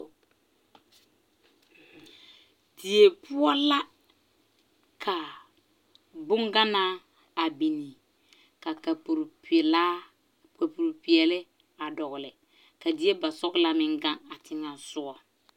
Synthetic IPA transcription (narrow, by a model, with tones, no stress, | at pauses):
dɪ˨e˨pʊ˦ɔ˦la˦ | kʰa˨ | bʊ˦ŋɡa˦naː˦ | a˨bi˨ni˨ | ka˨ka˨pɾplaː˦ | ka˨pu˨ɾpi˨ɛ˨lɪ˦ | a˨dɔ˨ɣʊ˨lɪ˨ | ka˨dɪ˦e˦ba˨sɔ˦ɣla˦mɪ˦ŋɡa˦ŋa˨tɪ˦ŋa˨sʊ˦ɔ˨